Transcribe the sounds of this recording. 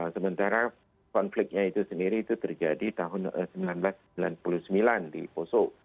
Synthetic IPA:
səmə̃nt̪aɾa | kɔnflɪk̚ɲait̪usəndiɾit̪ut̪ərd͡ʒadit̪aɦʊnə̰səmilanblas | ilanpuluhsəmilandḭposoʔ

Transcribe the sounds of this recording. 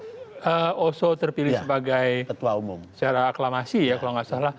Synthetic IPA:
ʔəosot̪ərpilɪsəbaɡajkət̪uaumʊmsə̥t͡ʃaɾaːklamasijakəlaŋasalah

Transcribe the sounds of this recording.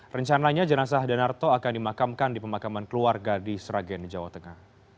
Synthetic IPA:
rəɲt͡ʃanaɲad͡ʒənas̬ahdanart̪oakandimakamkandipəmakamankəluarɡadisɾaɡɛnd͡ʒawat̪əŋah

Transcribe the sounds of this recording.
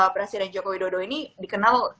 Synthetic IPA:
pɾasidɛnd͡ʒokowidodoinidikənal

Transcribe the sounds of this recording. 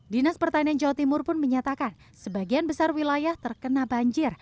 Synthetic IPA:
dinaspərt̪aniand͡ʒawat̪imʊrpʊnməɲat̪akan | səbaɡianbəsarwilajaht̪ərkənabaɲd͡ʒɪr

